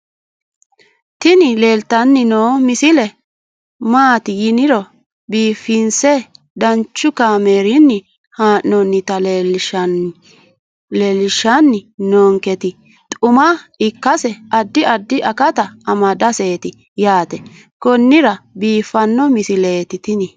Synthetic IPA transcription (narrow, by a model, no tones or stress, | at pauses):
t̪ɪnɪle̞ːlt̪ɐnːɪnoːmɪsɪlɛ | maːt̪ɪjɪnɪɾɔ | biːfɪnsɛ | d̪ɐnt͡ʃːʊkaːmeːɾɪnːɪ | haːʔnɔnːɪt̪ɐl | lelɪʃɐnːɪnoːŋkɛt̪ɪ | t̪ʼʊmɐɪkːɐsɛɐd̪ːɪɐd̪ːɪʔɐkɐt̪ɐɐmɐd̪ɐseːt̪ɪ | jaːt̪ɛ | kɔnːɪɾɐbiːfɐnːɔmɪsɪleːt̪ɪt̪ɪnɪ